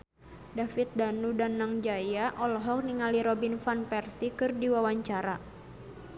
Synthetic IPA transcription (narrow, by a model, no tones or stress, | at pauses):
dafit̪̚danudanːaŋd͡ʒajaʔɔlɔɦɔk̚niŋaliɾɔbinfanpɛrsikɨrdiwawaɲt͡ʃaɾa